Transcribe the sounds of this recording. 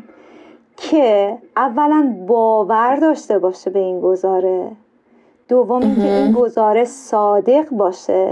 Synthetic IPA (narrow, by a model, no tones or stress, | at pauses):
cʰeʔævːælænbɒːvæɾd̪ɒːʃt̪e̞bɒːʃebe̞inɡo̞zɒːɾe̞ | d̪̥ovːomincʰeinɡo̞zɒːɾe̞ʃsɒːd̪e̞ɣbɒːʃe